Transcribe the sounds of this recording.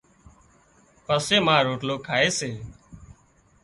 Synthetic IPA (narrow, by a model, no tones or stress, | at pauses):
pəseːmãːɾoːʈloːkʰaːeːseː